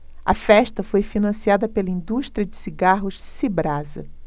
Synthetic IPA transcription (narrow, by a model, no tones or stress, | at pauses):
ɐ̰fɛʃt̪ɐfojfinɐ̃siad̪ɐpelɐĩd̪uʃt̪ɾiɐd͡ʒɪsiɡaɦʊʃsibɾazɐ̰